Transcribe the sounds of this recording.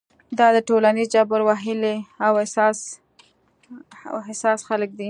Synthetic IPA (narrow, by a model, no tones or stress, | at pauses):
d̪ɑd̪əʈolanizd͡ʒabəɾwaɦɪleawɪsɑs | ɦɪsɑsxalək̚d̪i